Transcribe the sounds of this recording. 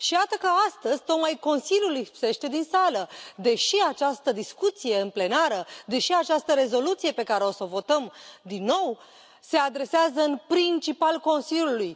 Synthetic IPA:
ʃijat̪əkəast̪əzʲt̪o̞k̪majko̞nsiljulijhpse̞ʃt̪e̞d̪insaləd̪e̞ʃiat͡ʃast̪əd̪iskut̪sije̞ɨnple̞naɾəd̪e̞ʃiat͡ʃast̪əɾe̞zo̞lut̪sijepe̞kaɾe̞o̞so̞vo̞t̪əmd̪inːo̞w | se̞ad̪ɾe̞seazəɨnpɾint͡ʃipalko̞nsilʲjuluj

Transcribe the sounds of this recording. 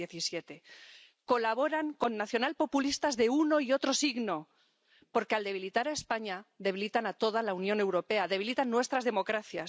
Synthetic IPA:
eθisjet̪e̞ | ko̞laβ̞o̞ɾaŋko̞nːaθjo̞nalpo̞pulist̪azðe̞uno̞io̞t̪ɾo̞siɣno̞ | po̞ɾkeald̪e̞β̞ilit̪aɾaespaɲaðe̞βilit̪anat̪o̞ð̞alaunjõ̞ne̞wɾo̞pe̞aðe̞βilit̪anːwe̞st̪ɾazðe̞mo̞kɾaθjas

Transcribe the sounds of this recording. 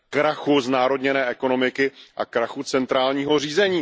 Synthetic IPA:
kɾaxuznaːɾo̞dɲɛnɛːʔɛko̞no̞mɪkɪʔa̰kɾaxut͡sɛnt̪ɾaːlɲiːɦo̞r̝iːzɛɲiː

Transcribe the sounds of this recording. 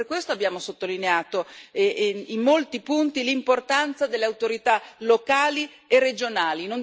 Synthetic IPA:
rkwest̪oabjaːmosot̪ːolineaːt̪o | imːolt̪ipunt̪ilimport̪ant̪sad̪elːeawt̪oɾit̪alokaːli | erːed͡ʒonaːlinon

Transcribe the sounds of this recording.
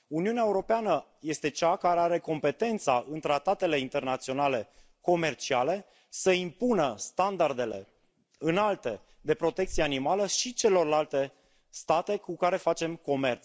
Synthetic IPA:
uniuneaeuɾo̞peanə | je̞st̪e̞t͡ʃakaaɾe̞aɾe̞ko̞mpe̞t̪e̞nt̪saʔɨnt̪ɾat̪at̪e̞le̞int̪e̞rnat̪sio̞nale̞ | ko̞me̞rt͡ʃiale̞ | səimpunəst̪and̪ard̪e̞le̞̰ | ɨnalt̪e̞ | d̪e̞pɾo̞t̪e̞k̚t̪sijeanimaləʃit͡ʃe̞lo̞rlalt̪e̞ | st̪at̪e̞kukaɾe̞fat͡ʃe̞mko̞me̞rt̪s

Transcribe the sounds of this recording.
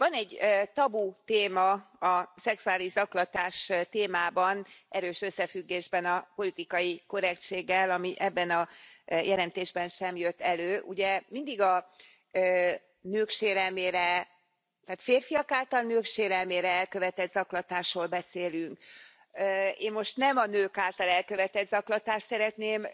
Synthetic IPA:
vɒnɛɟːøt̪ɒbut̪eːmɒɒsɛksuaːliʒzɒklɒt̪aːʃt̪eːmaːbɒnɛɾøːʃø̞sːɛfyɡːeːʒbɛnɒpo̞lit̪ikɒjikø̞ɾɛkt͡ʃeːɡːɛlɒmiʔɛbːɛnɒjɛlɛnt̪eːʒbɛnʃɛmjøt̪ːɛløːʔuɟɛmind̪iɡɒ | nøːkʃeːɾɛlmeːɾɛ | t̪aːt̪feːrfijɒkaːlt̪ɒlnøːkʃeːɾɛlmeːɾɛɛlkøvɛt̪ɛd̪zɒklɒt̪aːʃroːlbɛseːlyŋkː | eːmmo̞ʃt̪nɛmɒnøːkaːlt̪ɒlɛlkø̞vɛt̪ɛd̪zɒklɒt̪aːʃt̪sɛɾɛt̪neːm

